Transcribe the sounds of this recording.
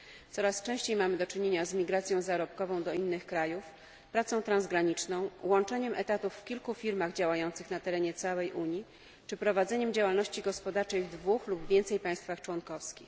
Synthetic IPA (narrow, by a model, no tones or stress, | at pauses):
t̪sɔɾast͡ʂɛ̃w̃ɕt͡ɕejmamɘd̪ɔt͡ʂɘɲeɲazmʲiɡɾat̪sʲjɔ̃w̃zaɾɔp̚kɔvɔ̃w̃d̪ɔinːɘxkɾajuf | pɾat̪sɔ̃w̃t̪ɾanzɡɾaɲit͡ʂnɔ̃w̃wɔnt͡ʂɛɲɛmʔɛt̪at̪ufːkʲilkufʲiɾmaɣd͡ʑawajɔnt̪sɘxnat̪ɛɾɛɲɛt̪sawɛjʔuɲji | t͡ʂɘpɾɔvad̪zɛɲɛmd͡ʑawalnɔɕt͡ɕiɡɔspɔd̪aɾt͡ʂɛjvd̪vuxlubvʲjɛnt̪sɛjpaj̃st̪faxt͡ʂwɔŋkɔfskʲix